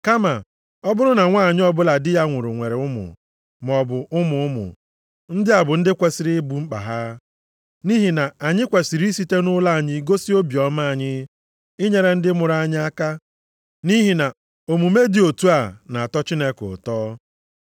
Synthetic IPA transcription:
ka˦ma˨ | ɔ˦bʊ˦ɾʊ˦na˨ŋʷa˦˨ɲɪ˦ɔ˦bʊ˦la˨dɪ˦ja˦ŋʷʊ˨ɾʊ˨ŋʷe˨ɾe˨ʊ˦mʊ̰˨ | m˨ɔ˨bʊ˨ʔʊ˦mʊ˨ʊ˦mʊ̰˨ | n̩˦dɪ˦a˨bʊ˨n̩˦dɪ˦kʷe˨sɪ˨ɾi˦bu˨ŋ͡m̩˦k͡pa̰˨ɦa˦ | ni˦ɦi˨na˨a˨ɲɪ˦kʷe˨si˨ɾi˦i˦si˦te˦nʊ˦la˦a˨ɲɪ˦ɡo˦si˦o˦bi˨ɔ˨˦ma˦a˨ɲɪ˦ | ɪ˦ɲe˨ɾe˨n̩˦dɪ˦mʊ˨ɾa˦˨ɲɪ˦a˦ka˦ | ni˦ɦi˨na˨ | o˨mu˨me˦dɪ˨o˨tu˦a˨na˨a˨tɔ˦t͡ʃi˦ne˦kʊ̰˨tɔː˦

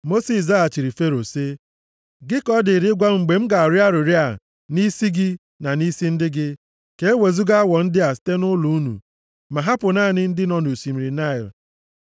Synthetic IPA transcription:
mo˦si˨s̬a˦a˨t͡ʃi˨ɾi˨fe˦ɾo˨se˦ | ɡɪ˦kɔ˦dɪ˨ɾɪ˦ɡʷa˦ŋ͡m̩˨ɡ͡be˨m̩˦ɡa˨ɾja˦ɾʊ˨ɾja˨ | ni˦si˦ɡɪ˦ | na˨ni˦si˦n̩˦dɪ˦ɡɪ˦ | ke˦e˦we˨zu˦ɡa˦a˦wɔ˨n̩˦dɪ˦a˨ste˦nʊ˦lu˨u˦nṵ˨ | ma˨ɦa˦pʊ˨naː˦˨nɪ˦n̩˦dɪ˦nɔ˨nu˨si˨m̩˨ɾi˨na˦ɪ˨l

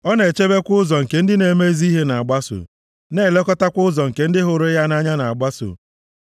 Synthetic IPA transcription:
ɔ˦ne˨t͡ʃe˦be˦kʷʊ˦zɔ˨ŋ̩˨ke˨˦n̩˦dɪ˦ne˨me˦zi˦ɦe˦na˨a˨ɡ͡ba˦sʊ̰˨ | ne˦˨le˦kɔ˦ta˦kʷʊ˦zɔ˨ŋ̩˨ke˨n̩˦dɪ˦ɦʊ˨ɾʊ˦ja˦na˦ɲa˦na˨a˨ɡ͡ba˦sʊ̰˨

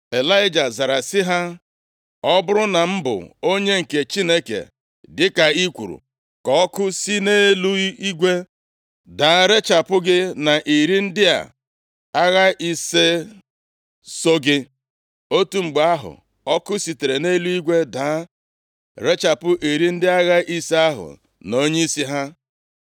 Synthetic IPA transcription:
e˨la˦ɪ˦d͡ʒa˨za˨ɾa˨sɪ˦ɦa˦ | ɔ˦bʊ˦ɾʊ˦na˨m̩˦bʊ̰˨o˦ɲe˦ŋ̩˨ke˨t͡ʃi˦ne˦kḛ˨ | dɪ˦ka˨i˦kʷṵ˨ɾṵ˨ | kɔ˨ɔ˦kʊ˦si˦ne˦lu˦i˦ɡʷe˦ | da˨˦ɾe˦t͡ʃa˨pʊ˦ɡɪ˦na˨ʔi˨ɾi˦n̩˦dɪ˦a̰˨ | a˦ɣa˦i˦se˦ | so˦ɡɪ˦ | o˦tu˦ŋ͡m̩˨ɡ͡ba˦ɦʊ̰˨ | ɔ˦kʊ˦si˨te˨ɾe˨ne˦lu˦i˦ɡʷe˦daː˨˦ | ɾe˦t͡ʃa˨pʊ˦ʔi˨ɾi˦n̩˦dɪ˦a˦ɣa˦ʔi˦se˦a˦ɦʊ̰˨ | no˦ɲe˦i˦si˦ɦa˦

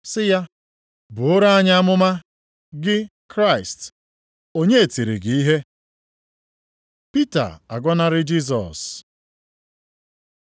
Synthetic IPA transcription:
sɪ˦ja˦ | bʊ˨o˦ɾa˦a˦ɲa˦a˦mʊ˦ma˦ | ɡɪ˦kɾa˦ɪ˨st | o˦ɲe˦e˨ti˨ɾḭ˨ɡɪ˨i˦ɦe˦ | pi˦ta̰˨a̰˨ɡʷɔ˦na˦ɾɪ˦d͡ʒi˦s̬ɔ̰˨s

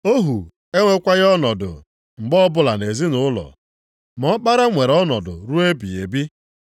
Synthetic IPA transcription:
o˦ɦu˨ | e˦ŋʷe˦kʷa˦ɣɔ˦nɔ˨dʊ̰˨ | ŋ͡m̩˨ɡ͡bɔ˦bʊ˦la˨ne˨zi˦nʊ˨ʊ˦lɔ̰˨ | mɔ˨˦k͡pa˦ɾa˦ŋʷe˨ɾɔ˦nɔ̰˨dʊ̰˨ɾu˦e˦bi˨e˨bi˦

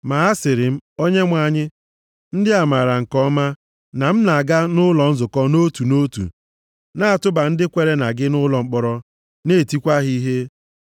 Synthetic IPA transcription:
ma˨a˦sɪ˨ɾɪ˨m̩˦o˦ɲe˦ŋʷa˨ɲɪ˦ | n̩˦dɪ˦a˨ma˨ɾa˨ŋ̩˨kɔ˦ma˦ | na˨m̩˦na˨ɡa˦nʊ˦lɔ˨n̩˦zʊ˨kɔ˦no˦tu˨no˦tṵ˨ | na˦a˨tʊ˦ba˨n̩˦dɪ˦kʷe˨ɾe˦na˨ɡɪ˦nʊ˦lɔ˨ŋ͡m̩˦k͡pɔ˨ɾɔ˦ | ne˦˨ti˦kʷa˦ɦi˦ɦe˦

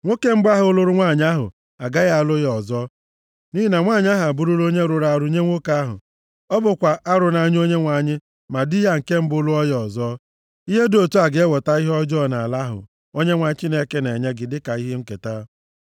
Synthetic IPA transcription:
ŋʷo˦ke˦m̩˦ba˦ɦʊ˨ʊ˦lʊ˦ɾʊ˦ŋʷa˦˨ɲ˦a˦ɦʊ̰˨ | a˨ɡa˦ɣa˦a˨lʊ˦jɔ˨zɔː˦ | ni˦i˦na˨ŋʷaː˦˨ɲ˦a˦ɦa˨a˨bu˦ɾu˦lo˦ɲe˦ɾʊ˨ɾa˨ɾʊ˨ɲe˦ŋʷo˦ka˦a˦ɦʊ̰˨ | ɔ˦bʊ˨kʷa˨ʔa˦ɾʊ˨na˨ɲ˦o˦ɲe˦ŋʷa˨ɲɪ˦ | ma˨di˦ɦa˦ŋ̩˨ke˦m̩˦bʊ˦lu˦ɔ˦jɔ˨zɔ˦ | i˦ɦe˦do˨tu˦a˨ɡe˦wɔ˨ta˦i˦ɦɔ˦d͡ʒɔ˦˨na˨a˨la˦ɦʊ̰˨ | o˦ɲe˦ŋʷa˨ɲ˦t͡ʃi˦ne˦ke˦ne˨ɲe˦ɡɪ˨dɪ˦ka˨i˦ɦe˦ŋ̩˦ke˨ta˦

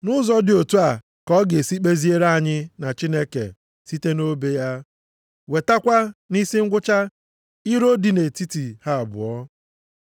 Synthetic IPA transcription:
nʊ˦zɔ˦dɪ˨o˨tu˦a˨ | kɔ˦ɡe˨si˦k͡pe˦zi˦e˦ɾa˦˨ɲɪ˦na˨t͡ʃi˦ne˦kḛ˨ | si˦te˦no˦be˦ja˦ | we˨ta˦kʷa˦ni˦si˦ŋ̩˦ɡʷʊ˦t͡ʃa˦ | i˦ɾo˦di˨ne˨ti˦ti˨ha˦a˨bʊ̰˨ɔ˦

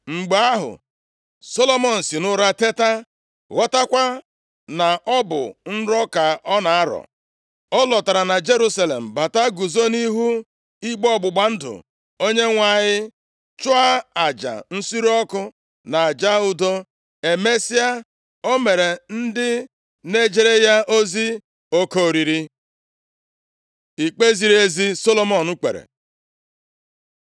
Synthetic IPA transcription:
ŋ͡m̩˨ɡ͡ba˦ɦʊ̰˨ | so˦lo˦mɔ˦n̩˨sɪ˨nʊ˦ɾa˦te˦ta˦ | ɣɔ˦ta˦kʷa˦ | na˨ɔ˦bʊ̰˨n̩˦ɾɔ˦ka˨ʔɔ˦na˨a˦ɾɔ̰˨ | ɔ˦lɔ˨ta˨ɾa˨na˨d͡ʒe˦ɾu˦sa˦le˨m̩˨ba˨ta˦ɡu˨zo˦ni˦ɦu˦ | i˦ɡ͡bɔ˦˨ɡ͡bʊ˨ɡ͡ba˨n̩˦dʊ̰˨ | o˦ɲe˦ŋʷa˦˨ɲɪ˦ | t͡ʃʊ˦a˦a˨d͡ʒa̰˨n̩˦si˦ɾɔ˦kʊ˦ | na˨a˨d͡ʒa˦ʊ˦do˦ | e˨me˦si˦a˦ | o˦me˨ɾe˨n̩˦dɪ˦ | ne˦d͡ʒe˨ɾe˦ja˦ʔo˦zi˦ | o˦ko˦˨ɾi˨ɾi˦ | i˨k͡pe˦zi˨ɾe˦zi˦so˦lo˦mɔ˨nu˦k͡pḛ˨ɾḛ˨

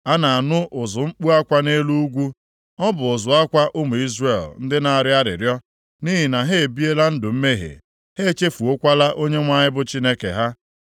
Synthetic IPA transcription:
a˦na˨a˨nʊ˦ʔʊ˨zʊ˨ŋ͡m̩˦k͡pu˦a˦kʷa˦ne˦lu˦u˦ɡʷu˦ | ɔ˦bʊ˨ʊ˨zʊ˨a˦kʷa˦ʔʊ˦mʊ˨i˦zre˦˨ln̩˦dɪ˦na˨a˨ɾɪ˦a˦ɾɪ̰˨ɾjɔ˦ | ni˦ɦi˨na˨ɦe˦e˨bi˦e˦la˦n̩˦dʊ˨m̩˦me˦ɦḛ˨ | he˦e˦˨t͡ʃe˦fu˨o˦kʷa˦la˦ʔo˦ɲe˦ŋʷa˦ɲɪ˦bʊ˦t͡ʃi˦ne˦kḛ˨ɦa˦

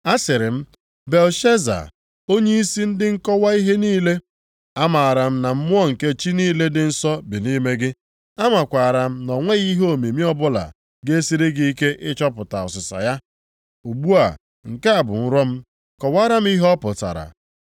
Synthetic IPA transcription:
a˦sɪ˨ɾɪ˨m̩˦ | be˨lʃe˦za̰˨ | o˦ɲe˦i˦si˦n̩˦dɪ˦ŋ̩˦kɔ˦wa˦i˦ɦe˦niː˦le˦ | a˦ma˨a˨ɾa˨m̩˦na˨m̩˦mʊ˦ɔ˦ŋ̩˨ke˦t͡ʃi˦niː˦le˦dɪ˨n̩˦sɔ˦bi˨ni˦me˦ɡɪ˦ | a˦ma˨kʷa˨ɾa˨m̩˦nɔ˨ŋʷe˦ɣi˦ɦo˦˨me˨mi˦ɔ˦bʊ˦la̰˨ | ɡe˦e˦si˦ɾe˦ɡi˦i˦ke˦ʔɪ˦t͡ʃɔ˦pʊ˨ta˨ɔ̰˨sɪ˨sa̰˨ja˦ | u˨ɡ͡bu˦a̰˨ | ŋ̩˨ke˦a˨bʊ̰˨n̩˦ɾɔ˦m̩˦ | kɔ˨wa˦ɾa˦m̩˦i˦ɦɔ˦pʊ˨ta̰˨ɾa̰˨

